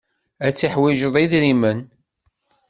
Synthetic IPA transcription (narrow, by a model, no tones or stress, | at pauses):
æt͡sːiħwiʒəðˤiðɾimən